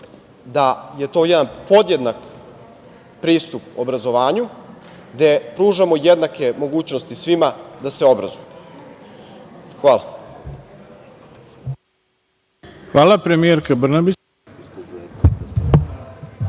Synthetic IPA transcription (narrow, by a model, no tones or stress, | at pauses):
d̪aje̞t̪o̞ːjed̪anpo̞d̪je̞d̪nak | pɾiːst̪upobɾazo̞ʋaːɲu | ɡd̪e̞pɾuːʒamo̞jed̪nake̞mo̞ɡuːt͡ɕnost̪isʋimad̪aseobɾa̰zoju | xʋaːla | xʋaːlˠapɾemijeɾkabr̩nabi